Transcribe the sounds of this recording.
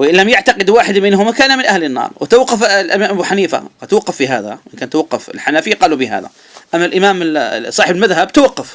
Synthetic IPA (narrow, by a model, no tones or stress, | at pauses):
wʔɪnlːamjaʕt̪ɑqɪd̪waːħɪd̪mɪnhʊmakaːnamɪnʔahlɪnːɑ̰ːɾˤwɪt̪awaqːɑflʔɪmaːʔabuħaniːfa̰at̪wɑqːɑfːiɦaːða̰ʔɪnkaːnt̪ːawɑqːɑfɪ̰lħanaːfɪjːaqɑːlubɪɦa̰ːða̰ | ʔamːalʔɪmaːmɪsˤɑːħɪbɪlmaðɦabt̪awɑqːɑf